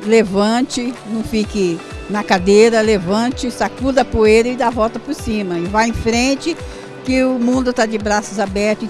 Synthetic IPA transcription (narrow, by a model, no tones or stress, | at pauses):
levɐ̃t͡ʃɪnɐ̃w̃fikɪ | nɐkad̪eɾɐlevɐ̃t͡ʃɪsakud̪ɐpuejɾɐɪd̪avɔwt̪ɐpʊɾsĩmɐɪvajẽfɾẽt͡ʃɪ | kɪʊmũnd̪ʊt̪ad͡ʒɪbɾasʊzabɛɾt̪ʊ